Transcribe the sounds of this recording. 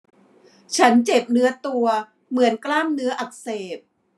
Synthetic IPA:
t͡ɕʰa˦˥nt͡ɕe˨˩p̚nɯ˦˥ɐt̪u˧ɐ | mɯ˩˦ənklaː˥˩mnɯ˦˥ɐʔa˨˩k̚seː˨˩p̚

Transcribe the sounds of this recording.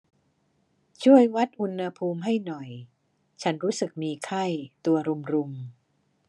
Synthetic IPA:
t͡ɕʰu˥˩əjwa˦˥t̪̚ʔu˧nha˧pʰuː˧mɦa˥˩jnɔ˨˩j | t͡ɕʰa˦˥nɾuː˦˥sɯ˨˩k̚miː˧kʰa˥˩jt̪u˧ɐɾu˧mɾu˧m

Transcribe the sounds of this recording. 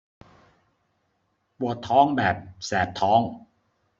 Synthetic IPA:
pu˨˩ət̪ʰːɔː˦˥ŋbɛː˨˩p̚sɛː˩˦p̚t̪ʰɔː˦˥ŋ

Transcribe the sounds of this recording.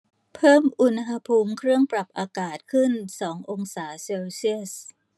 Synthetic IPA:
pʰɤː˥˩mʔu˧nɦa˧pʰuː˧mkʰɾɯ˥˩əŋpɾa˨˩p̚ʔaː˧kaː˨˩t̪̚kʰɯ˥˩nsɔː˩˦ŋʔo˧ŋsaː˩˦seː˧wsi˥˩əs

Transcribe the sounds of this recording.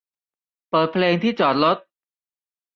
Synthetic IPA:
pɤː˨˩t̪̚pʰleː˧ŋt̪ʰiː˥˩t͡ɕɔː˨˩t̪̚lo˦˥t̪̚

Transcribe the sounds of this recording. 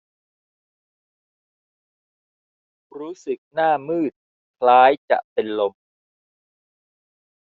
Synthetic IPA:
ɾuː˦˥sɯ˨˩k̚naː˥˩mɯː˥˩t̪̚ | kʰlaː˦˥jt͡ɕa̰˨˩ʔpe˧nlo˧m

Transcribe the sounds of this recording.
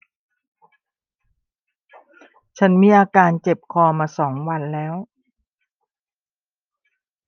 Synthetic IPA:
t͡ɕʰa˦˥nmiː˧˥˩ʔaː˧kaː˧nt͡ɕe˨˩p̚kʰɔː˧maː˧sɔː˩˦ŋwa˧nlɛː˦˥w

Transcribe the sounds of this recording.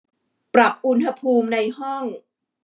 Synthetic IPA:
pɾa˨˩p̚ʔu˧nha˧pʰuː˧mna˧jhɔ˥˩ŋ

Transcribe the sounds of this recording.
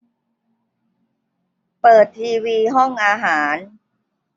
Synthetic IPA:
pɤː˨˩t̪ʰːiː˧wiː˧ɦɔ˥˩ŋʔaː˧ɦaː˩˦n

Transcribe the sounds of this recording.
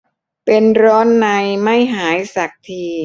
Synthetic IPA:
pe˧nɾɔː˦˥nːa˧jma˥˩jɦaː˩˦jsa˨˩k̚t̪ʰiː˧

